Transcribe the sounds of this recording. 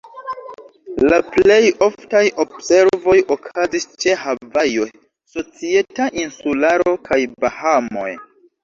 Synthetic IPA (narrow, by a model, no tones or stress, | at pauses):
laple̞jo̞ftajʔo̞bse̞ɾvo̞jokʰazist͡ʃe̞havajo̞j | so̞t͡sie̞taʔinsulaɾo̞kʰajbahamo̞̰j